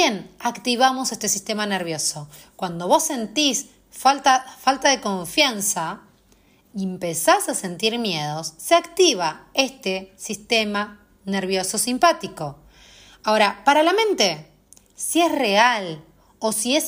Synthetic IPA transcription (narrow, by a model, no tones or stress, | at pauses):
jenakt̪iβamo̞sest̪esist̪emaneɾβ̞jo̞so | kwand̪o̞βo̞sːe̞nt̪is | falt̪afalt̪aðe̞ko̞ɱfjansa | iempesasase̞nt̪iɾmje̞ð̞o̞sːeakt̪iβ̞ae̞st̪esist̪e̞ma | neɾβjo̞so̞simpat̪iko̞ | aoɾapaɾalamẽnt̪e̞ | siesre̞al | osies